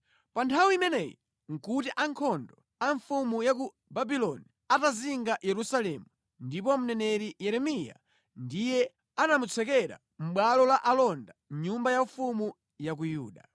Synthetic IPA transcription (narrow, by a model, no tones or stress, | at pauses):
pantʰawimɛnɛjḭ | ŋ̩kutiʔaŋkʰɔndɔ | aɱfumujaku | babilɔni | ataziŋɡajɛɾusalɛmu | ndip̬ɔm̩nɛnɛɾijɛɾɛmija̰ | ndijɛ | anamut͡sʰɛkɛɾa̰ | m̩ɓwalɔlaʔalɔndaɲumbajaɱfumu | jak̬ujuːɗa